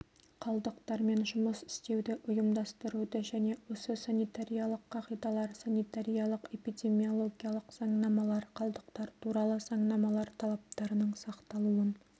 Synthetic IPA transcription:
qʰɑlˠd̪əqt̪ɑɾme̞nʒʊməsɪ̥st̪e̞wd̪ɪʔʊjəmd̪ɑst̪əɾud̪əʒæne̞wo̞səsanijt̪aɾijɑlˠəqːɑqijd̪ɑlˠɑɾsanit̪aɾijɑlˠəqe̞pijd̪ʲe̞mio̞lˠo̞ɡʲijɑlˠəqz̥ɑɴnɑmɑlˠɑɾqʰɑlˠd̪əqt̪ɑɾt̪ʰuɾɑlˠəz̥ɑɴnɑmɑlˠɑɾt̪ʰɑlˠɑp̚t̪ɑɾənəɴsɑqt̪ɑlˠuən

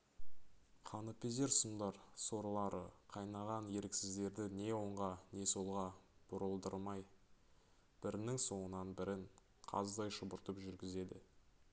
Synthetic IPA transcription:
qʰɑnəpeze̞ɾsʊmd̪ɑɾso̞ɾlˠɑɾəqʰɑjnɑʁɑnje̞ɾɪksɪzd̪e̞ɾd̪ɪne̞wo̞ɴʁɑne̞so̞lˠʁɑb̥ʊɾəlˠd̪əɾˠmɑj | b̥ɪɾɪnɪŋso̞ɴənɑnbɪɾɪŋ | qʰɑ̰zəd̪ɑjʃəbʊɾt̪əpʒʏɾɡʲɪze̞d̪ɪ

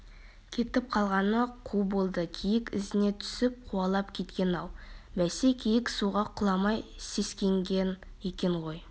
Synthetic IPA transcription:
kʲʰe̞t̪ɪp̚qʰɑlˠʁɑnəqʰubo̞lˠd̪əkʲʰijɪkʲɪ̰zɪne̞t̪ʰʏ̥sɪp̚qʰuɑlˠɑpkʲʰe̞t̪kʲe̞nɑwbæsekʲʰejɪksuʁɑqʰʊlˠɑmɑjse̞skʲe̞ŋɡʲen | e̞kʲe̞ɴʁo̞j

